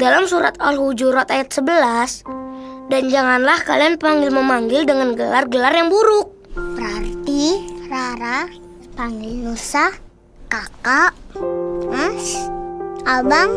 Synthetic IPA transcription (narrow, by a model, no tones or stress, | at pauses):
dalamsuɾa̰t̪ɔlhud͡ʒuɾɔt̪ajat̪̚səbəlas | dand͡ʒaŋanlahkalianpaŋɡɪlməmaŋɡɪldəŋanɡəlarɡəlarjaŋbuɾʊk̚bəɾart̪iraɾa | paŋɡɪlnusah | kaka | as | abaŋ